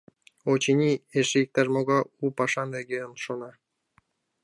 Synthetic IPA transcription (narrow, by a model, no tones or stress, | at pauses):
ot͡ɕinʲieʃeik̚t̪ɑrmoɣɑupɑʃɑnveɡʲeənʃonɑ